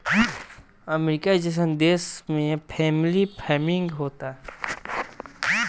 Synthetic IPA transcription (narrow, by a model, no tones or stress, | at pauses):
ɐmɾɪkad͡ʒəs̬ə̃nd̪eːsmẽpʰɛːmɪlipʰɛːmɪ̃ŋɡɦoːt̪aɦ